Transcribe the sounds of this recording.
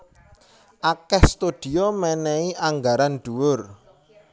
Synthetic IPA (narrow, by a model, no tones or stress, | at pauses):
ʔakɛhst̪ud̪̥i̤ɔmɛnɛiʔaŋɡaɾanɖ̪̥ṳwʊr